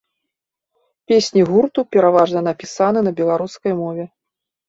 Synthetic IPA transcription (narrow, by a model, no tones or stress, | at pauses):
pʲesʲnʲiɣurt̪upʲɛɾavaʐnɐnɐpʲisanɨnɐbʲɛlˠaɾuskɐjmɔvʲɛ